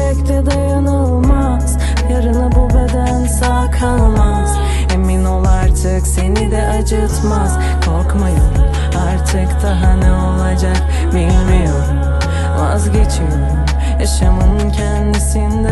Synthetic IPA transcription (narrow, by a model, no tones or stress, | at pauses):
ɛclɛd̪ajanalˠma | z̥ | jaɾɯnɯbubød̪ænsaːkʰalˠmaz̥ | hemino̞lˠaɾt̪ʰɯkse̞nid̪ɛʔad͡ʒɯt̪maz̥ | kʰoɾkmajɯmm | aɾt̪ʰɯkt̪aɦanɛo̞lˠad͡ʒak | bilʲmijo̞ɾum | a̰zɟe̞t͡ʃʰijo̞ɾum | jaʃamɯncʰɛnd̪isind̪ɛ